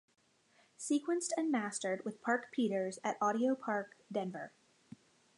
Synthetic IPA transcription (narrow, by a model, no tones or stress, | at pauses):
sikwɨ̃nstɨ̃nmæstə˞d̚wɨð̥pʰɑɹkpʰiɾə˞zɨɾɑɾioʊpʰɑɹk̚d̥ɛ̃nvə˞